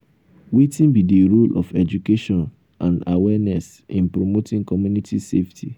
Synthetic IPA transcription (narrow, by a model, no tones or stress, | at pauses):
wetĩnbidiɾolʔɔfɛd͡ʒukeʃɔ̃n | ʔã̰nawɛnɛs | ĩnpɾomotʰɪ̃ŋkʰɔmjũnitʰiseftʰi